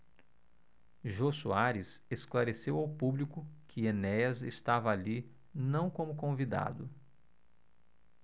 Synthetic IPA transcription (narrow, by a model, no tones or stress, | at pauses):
ʒosuaɾisesklaɾesewawpublikʊkʰɪenɛjɐzest̪avɐːli | nɐ̃w̃kõmʊkõvid̪a̰d̪ʊ